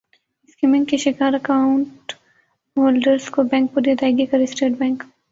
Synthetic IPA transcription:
ɪskimɪ̃ŋkːiʃɪkaːɾɐkaʊ̃ɳʈ | ɦoːlɖəɾskobɛ̃ːŋk̚pʊɾjed̪aːɪɡekɐɾɪsʈeːʈ̚bɛ̃ːŋk

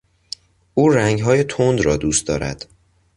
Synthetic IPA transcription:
uːɾæŋɡɦɒːje̞t̪ʰond̪ɾɒːd̪uːst̪d̪ɒ̰ːɾæ̰d̪̥

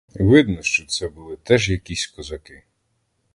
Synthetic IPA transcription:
ʋɪd̪nɔʃt͡ʃɔt̪sɛbʊlˠɪt̪ɛʒjɐkʲisʲkɔzɐkɪ

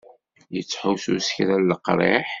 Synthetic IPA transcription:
jət͡sːħusṵsə̥çɾælːəqɾˤḛħ

